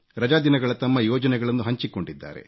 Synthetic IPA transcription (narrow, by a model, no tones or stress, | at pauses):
ɾɐd͡ʒaːd̪inɐɡɐɭɐt̪ɐmːɐjɔːd͡ʒɐnɛɡɐɭɐnːuɦɐɲt͡ʃiko̞ɳɖid̪ːa̰ːɾe̞̰